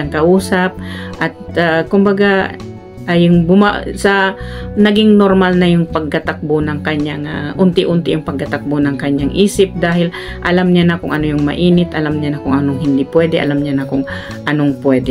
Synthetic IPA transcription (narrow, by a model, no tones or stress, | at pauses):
ɐŋkɐʔuːsap̚ʔɐt̪̚akʊmbɐɡa | ʔajʊŋbʊma̰sɐnɐɡiŋnoɾmalnɐjʊŋpɐɡ̚kɐt̪ak̚bonɐŋkɐɲaŋaʔʊnt̪ɪʔʊnt̪ɪjʊŋpɐɡ̚kɐt̪ak̚bonɐŋkɐɲaŋʔiːsɪp̚d̪aːhɪl | ʔɐlamɲanɐkʊŋʔɐnojʊŋmɐ̰ʔiːnɪt̪ʔɐlamɲanɐkʊŋʔɐnoŋɦɪnd̪ipwɛd̪ɛʔɐ̰lamɲanɐkʊŋ | ʔɐnoŋpwɛd̪ɛ